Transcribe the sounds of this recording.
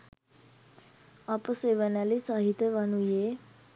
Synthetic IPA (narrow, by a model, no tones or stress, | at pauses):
ʌpəseʋənalisaɦit̪jebənuje